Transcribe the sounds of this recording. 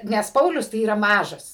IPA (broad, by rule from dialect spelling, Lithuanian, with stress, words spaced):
nʲɛs ˈpɐʊlʲʊs tɐɪ ˈiːrɐ ˈmɑːʒɐs